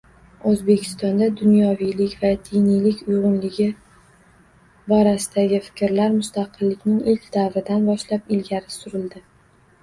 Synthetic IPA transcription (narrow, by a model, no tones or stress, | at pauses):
ɵzbe̞kʲʰɪ̥st̪ɒnd̪ad̪ʊnjɒvijlɪkʲvad̪ijnijlɪkʲʊjʁʊnlɪɡʲɪ | bɒɾasɪd̪aɡʲɪfɪ̥kʲɾlaɾmʊst̪ɑqʰɨlːɪkʲnɪŋɪlkʲd̪̥avɾɪd̪anbɒʃlapɪlɡʲaɾɪsʊɾɪld̪ɪ